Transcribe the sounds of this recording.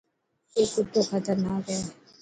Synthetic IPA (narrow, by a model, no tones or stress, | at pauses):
eːkʊt̪ːokʰət̪əɾnaːkɦɛː